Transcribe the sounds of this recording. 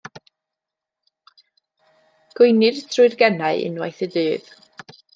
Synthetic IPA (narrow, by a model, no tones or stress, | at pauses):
ɡ̥ʊjnɨdtʰrʊɨrɡɛnaɨɪ̰nwa̰jθədɨːð